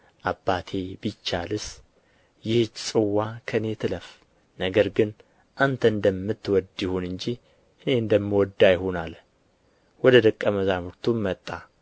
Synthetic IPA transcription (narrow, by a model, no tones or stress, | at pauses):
ʔabːat̪ʰe̞bit͡ʃːalɨs | jɪht͡ʃsʼɨwːakʰəne̞t̪ʰɨləf | nəɡəɾɡɨn | ʔant̪ʰəɨnd̪əmːɨt̪ːwɔd̪jɪhunɨɲd͡ʒi | ʔɨne̞ɨnd̪əmːwɔd̪ːajɪhonal | wɔd̪əd̪əkʼːəməzamuɾt̪ʰummət̪ʼːa